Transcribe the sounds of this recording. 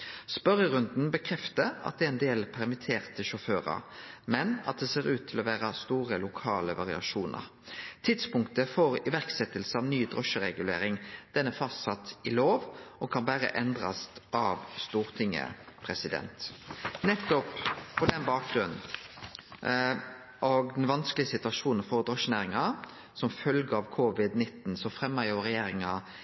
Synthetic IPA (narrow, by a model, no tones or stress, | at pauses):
spœɾəʁʉnd̪n̩bəkʰʁɛft̪əɑ̰t̪̚d̪ɛæɾɛnd̪eːlpʰæʁmɪt̪ʰeːʁt̪əʃʊføːʁɑ̰ɾmɛnɑ̰t̪̚d̪ɛseːʁʉːt̪ʰːɪlɔʋæːʁɑst̪uːʁəlʊkʰɑːləʋɑʁɪɑ̰ʃuːnə̰ʁ | t̪ʰɪd̪spʊŋkt̪əfɔʁɪʋæʁksɛt̪ːəlsəɑʋnyːd̪ʁɔʃəʁɛɡʉlḛːɾɪŋd̪̥ɛnːɛfɑst̪sɑt̪ɪloːʋʔɔkʰɑnbæɾə̰ʔɛnd̪ʁɑ̰sʔɑʋst̪uːʁt̪ʰɪŋːə̰pʰɾɛsɪd̪ɛ̰nt̪nɛt̪ːɔppʰɔd̪ɛnbɑːk̚ɡɾʉnn̩ | ʔɔɡd̪ɛnʋɑnskəlɪəsɪt̪ʉɑʂuːnnfɔʁd̪ɾɔʂːənæːɾɪŋɑ | sɔmfœlɡəɑʋkʰʊʋɪd̪nɪt̪ːnsɔfɾɛmːɑjʊʁɛjeːɾɪŋɑ